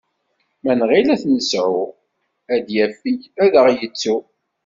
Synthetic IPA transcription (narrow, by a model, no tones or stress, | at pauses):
mænʁilæθnəsʕʊ | æd̪jæfːiçæðəʁjət͡sːu